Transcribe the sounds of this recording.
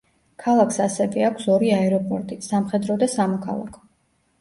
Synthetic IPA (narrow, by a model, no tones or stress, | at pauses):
kʰalˠaksasɛvɛakʷʰsɔɾiaɛɾɔpʼɔɾt̪ʼisamχɛd̪ɾɔd̪asamɔkʰa̰lˠa̰kʰɔ̥